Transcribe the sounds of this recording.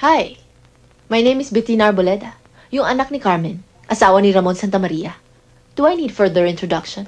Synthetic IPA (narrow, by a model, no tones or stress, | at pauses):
haj | mɐjnejmɪsbɪt̪inɐɹbolɛd̪ɐ | jʊŋʔɐnak̚nɪkaɹmɛn | ʔɐsaːwɐniɾɐmonsant̪ɐmɐɾiːɐ | d̪̥uajnid̪fɛɹðɛɹɪnt̪ɹoɔd̪akʃɔ̃n